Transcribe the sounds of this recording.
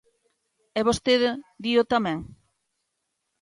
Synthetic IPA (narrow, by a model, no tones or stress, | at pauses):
ɛβost̪eðd̪iot̪amɛ̃ŋ